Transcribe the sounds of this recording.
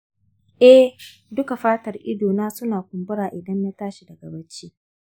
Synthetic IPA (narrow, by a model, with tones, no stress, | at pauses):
ʔɛ˦h | dʊ˦ka˨ɸaː˦tɐ˨rʔɪ˦doː˨naː˦sʊ˦naː˨kʷʊ˨mbʊ˦ɽaː˨ʔɪ˨dɐ˦ɲja˦taː˦ʃi˨dɐ˨ɡɐ˨bɐ˦t͡ʃiː˦